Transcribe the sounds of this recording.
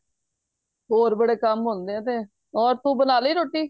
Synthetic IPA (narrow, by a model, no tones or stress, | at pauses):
ɦoːɾbəɽeːkəmɦõːnd̪eːãːt̪eː | ɔːɾt̪ũːbənaːliːɾoːʈːiː